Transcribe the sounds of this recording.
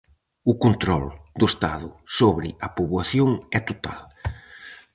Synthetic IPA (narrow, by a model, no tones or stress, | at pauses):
ʊkont̪ɾɔ̰ld̪ʊest̪aðʊsoβɾɪɐpuβwaθjoŋɛt̪ot̪a̰l